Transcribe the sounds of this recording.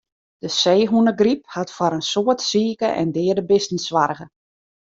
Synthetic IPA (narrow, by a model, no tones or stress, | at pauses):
d̥əseːɦunəɡriphatfaɾənsoətsiːkəʔɛ̰ndɪːədəbɪstn̩sʋarɣə